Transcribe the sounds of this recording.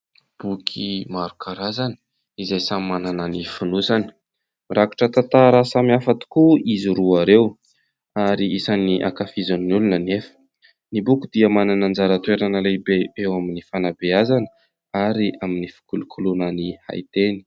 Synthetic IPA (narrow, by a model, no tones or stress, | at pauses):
b̥ukʰimaɾukʰaɾazanə̥ | izajsamimːanananifunusanə̥ | raku̥ʈ͡ʂət̪at̪aɾasamiafat̪i̥kuiziɾuaɾew | aɾiisaniʔa̰kafizaninulunənefə̥ | nibukud̪iəmananand͡zaɾat̪weɾanəlebeewaminifanabeazanə | aɾiʔaminifi̥kulukʰulunaniha̰jt̪eni̥